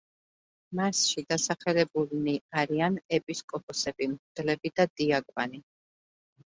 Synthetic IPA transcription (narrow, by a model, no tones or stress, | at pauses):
masʃid̪asaχɛlɛbulniaɾianɛpʼiskʼɔpʼɔsɛbimɾd̪lɛbid̪ad̪iaɡʼvani